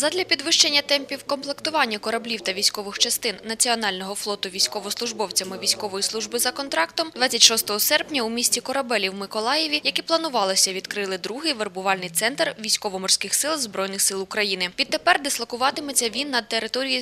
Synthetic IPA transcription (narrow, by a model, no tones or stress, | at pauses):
zɐd̪lʲɐpʲid̪ʋɪʃt͡ʃenʲːɐt̪ɛmpʲiwkɔmplˠekt̪ʊʋɑnʲːɐkɔɾɐblʲiwt̪ɐʋʲijsʲkɔʋɪxt͡ʃɐst̪ɪnːɐt͡sʲiɔnɑlʲnɔɦɔflˠɔt̪ʊʋʲijsʲkɔʋɔslˠʊʒbɔwt͡sʲɐmɪʋʲijsʲkɔʋɔjislˠuʒbɪzɐkɔnt̪ɾɑkt̪ɔmd̪ʋɑt͡sʲːɐtʲʃɔst̪ɔɦɔsɛrpnʲɐumʲisʲt͡sʲikɔɾɐbɛlʲiwmɪkɔlˠɑjeʋʲijɐkɛplˠɐnʊʋɑlˠɪsʲɐʋʲid̪kɾɪlˠɪd̪ɾuɦɪjʋerbʊʋɑlʲnɪjt̪sɛnt̪rʋʲijsʲkɔʋɔmɔrsʲkɪxsɪlˠzbɾɔjnɪxsɪlˠʊkɾɐjinɪʋʲid̪̚t̪ːepɛrd̪ɪslˠɐkʊʋɑt̪ɪmɔt͡sʲːɐʋʲinːɐd̪̚t̪eɾɪt̪ɔɾʲiji